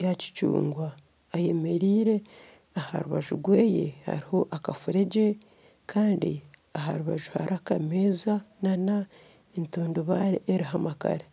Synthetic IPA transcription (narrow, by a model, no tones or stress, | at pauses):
jaci̥cṵːŋɡwaː | je̞me̞ɾiːɾe̞ | aha̰ɾuβaʒuɡweːjḛha̰ɾiho̞ʔakafuɾeɟe | kʰaːndḭaɦaɾuβaʒuha̰ɾakameːzanana | entuːndoβaɾeʔeɾiɦamaka̰ɾe